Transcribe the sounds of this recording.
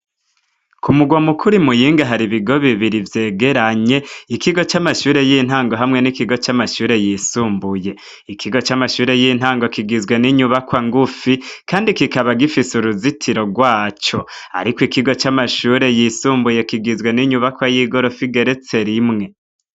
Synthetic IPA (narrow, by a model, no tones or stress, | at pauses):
kʰumuɡwamukʰuɾimujiːŋɡaɦaɾiβiɡo̞βiβiɾivje̞ːɡe̞ɾaɲe̞ikiɡo̞t͡ʃamaʃuːɾe̞jiːn̥ɦaːŋɡo̞ɦamŋe̞nikiɡo̞t͡ʃamaʃuːɾe̞jisuːmbuje̞ | ikʰiɡo̞t͡ʃamaʃuːɾe̞jin̥haːŋɡo̞kiɡizɡwe̞niɲuβakwaŋɡufikaːndikikaβaɡifisuɾuzitʰiɾo̞ɡwaːt͡ʃo̞a̰ɾikwikiɡo̞t͡ʃamaʃuːɾe̞jisuːmbuje̞kiɡizwe̞niɲuβakwajiɡo̞ɾo̞fiɡe̞ɾe̞t͡se̞ɾimŋe̞